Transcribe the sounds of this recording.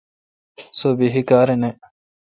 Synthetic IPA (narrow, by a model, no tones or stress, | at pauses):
sobiɦikaːɾene